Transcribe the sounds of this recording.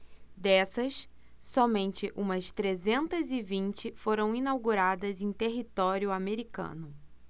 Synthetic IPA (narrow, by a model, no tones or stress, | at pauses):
d̪ɛsɐsː | ɔmẽnt͡ʃɪʔũmɐst̪ɾezẽnt̪ɐzɪvĩnt͡ʃɪfoɾɐ̃w̃inawɡuɾad̪ɐzẽj̃t̪eɦit̪ɔɾjʊameɾikɐ̰̃nʊ